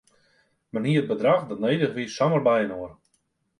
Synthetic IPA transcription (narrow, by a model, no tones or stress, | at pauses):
mənɦiət̚bədraxdɔtnejdəχʋisːamərbɛjənoər